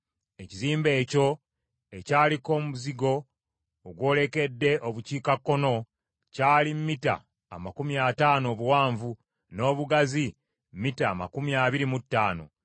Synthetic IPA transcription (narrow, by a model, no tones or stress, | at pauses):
e̞ciziːmbe̞ːco̞ | ecaːliko̞muziɡo̞ː | ɡwo̞ːle̞ke̞dːe̞ʔoβuciːkakːo̞no̞ | caːlimmita̰ː | makumiataːno̞ːβuwaːɱvu | no̞ːβuɡazi | mmitaːma̰kumiaβiɾimutːaːno̞̰